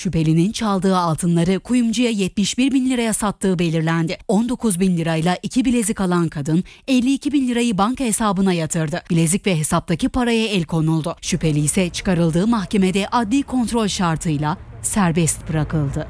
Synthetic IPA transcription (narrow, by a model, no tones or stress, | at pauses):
ʃype̞lʲinint͡ʃʰalˠd̪ɯːalˠt̪ʰɯnlˠaɾɯkʰujumd͡ʒujajɛt̪̚miʃbiɾbinlʲiɾajasat̪ːɯːbe̞lʲiɾlʲænd̪ɪo̞nd̪o̞kʰuzbinlʲiɾajlˠaʔicʰibilʲe̞zikalˠankʰad̪ɯnɛlʲːiːcʰibinlʲiɾajɯbaŋkhe̞saːbɯnajat̪ʰɯɾd̪ɯb̥ilʲezicvɛɦesap̚t̪acʰipʰaɾajaɛlʲkʰo̞nulˠd̪ʊʃype̞lʲijisɛt͡ʃʰɯ̥kaɾɯlˠd̪ɯːmaxce̞med̪ɛʔad̪lʲikʰo̞nt̪ɾo̞lʲʃaɾt̪ʰɯjlˠasæɾbɛst̪̚bɯɾakʰɯlˠd̪ɯ